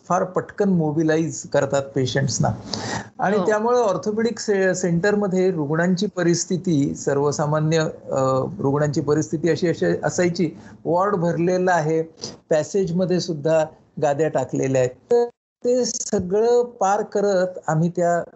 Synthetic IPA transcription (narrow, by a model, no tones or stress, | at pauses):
faɾpəʈʰkənmobilaid͡zkəɾt̪at̪̚peɕəɳʈsna̰aɽ̃it̪jamuɭeɔɾt̪ʰopeʈiksseɳʈəɾməd̪ʱːjeɾuɡɳaɲt͡ɕiːpəɾist̪ʰit̪iːsəɾʋəsamanjə | ɾuɡɳaɲt͡ɕiːpəɾist̪ʰit̪iːəɕiːəɕiʔəsajt͡ɕiːʋɔɾɖbʱəɾlelaːɦepæsed͡ʑməd̪ʱːjesud̪ʱːa | ɡad̪jaʈakleleaɦet̪əɾ | t̪esəɡɭəːpaɾkːəɾət̪am̤iːt̪ja